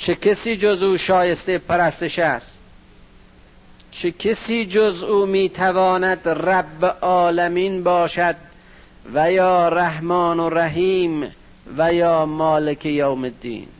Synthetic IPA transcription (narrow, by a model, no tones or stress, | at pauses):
t͡ʃʰekʰesiːd͡ʒozuːʃɒːjest̪epʰæɾæst̪eʃæst̪ | t͡ʃʰekʰesiːd͡ʒozuːmiːt̪ʰævɒːnæd̪ræbːeʔɒːlæmiːnbɒːʃæd̪̚ | væjɒːɾæɦmɒːnoræɦiːm | væjɒːmɒːlekʰejowmed̪ḭːn